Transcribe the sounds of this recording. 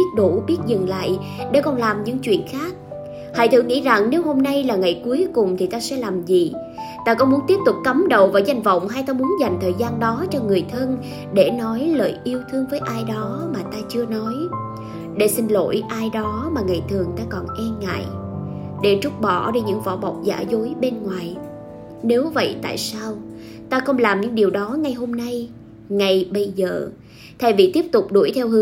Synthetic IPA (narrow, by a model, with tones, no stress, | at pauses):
ɓi˦˥ət̚ɗu˧˩ɓi˦˥ət̚zɨ˨˩ŋla̰ː˧˨j | ɗe˧˩kɔ˨˩nlaː˨˩mɲɨ̰˧˥ŋt͡ɕwḭ˧˨ənxaː˦˥k̚ | ha̰ː˧˨jt̪ʰɨ˧˩ŋḭ˧˥za˨˩ŋne˨˦who˧mna˧jlaː˨˩ŋa˨˩jku˨˦əjkʊ˨˩ŋ͡mt̪ʰi˨˩t̪aː˧sɛ̰˧˥laː˨˩mzi˨˩ | t̪aː˧kɔ˨˦mu˨˦ənt̪i˦˥əp̚t̪ʊ˨˩k͡p̚kə˨˦mɗə˧˨wvaː˨˩za˧jŋ̟və̰˧˨wŋ͡mɦaː˧jt̪aː˧mu˨˦ənza˨˩jŋ̟t̪ʰəː˨˩jzaː˧nɗɔ˨˦t͡ɕɔ˧ŋɨ˨˩əjt̪ʰə˧n | ɗe˧˩nɔ˨˦jləː˧˨˩jʔi˧əwt̪ʰɨ˧əŋvəː˨˦jʔaː˧jɗɔ˨˦maː˨˩t̪aː˧t͡ɕɨ˧ənɔ˨˦j | ɗe˧˩sï˧ŋ̟lo̰˧˥jʔaː˧jɗɔ˨˦maː˨˩ŋa̰˨˩jt̪ʰɨ˨˩əŋt̪aː˧kɔ˨˩nʔɛ˧ŋa̰ː˧˨j | ɗe˧˩t͡ɕʊ˦˥k͡p̚ɓɔ̰˧˩ɗi˧ɲɨ̰˧˥ŋvɔ̰˧˩ɓɔ˨˩wk͡p̚za̰ː˧˩zo˨˦jɓe˧nŋwaː˨˩j | ne˨˦wvə̰˧˨jt̪a̰ː˧˨jsaː˧w | t̪aː˧xə˧wŋ͡mlaː˨˩mɲɨ̰˧˥ŋɗi˨˩əwɗɔ˨˦ŋa˨˩jɦo˧mna˧j | ŋa˨˩jɓə˧jzəː˨˩ | t̪ʰa˧˩jvḭ˨˩t̪i˦˥p̚t̪ʊ˨˩k͡p̚ɗṵ˧˩əjt̪ʰɛ˧wɨ˨˦